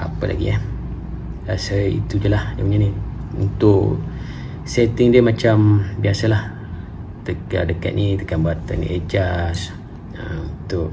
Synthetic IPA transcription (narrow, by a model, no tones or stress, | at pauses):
ʔapəlʔa̰ɡḭa | ɾasəḭt̪ud͡ʒəlahdəməɲaniṵnt̪ʊʔ | set̪ɪŋdiəmat͡ʃambiasəlah | t̪əka̰dəka̰t̪̚nʔit̪əkambat̪anḭʔed͡ʒas | əunt̪ʊʔ